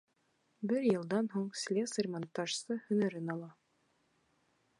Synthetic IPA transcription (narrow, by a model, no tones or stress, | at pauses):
bɘɾjɤ̆lˠd̪ɑnɦuɴsʲlʲesərʲmɑnt̪ːɑʃsɤhɵ̆næɾɘnɑlˠɑ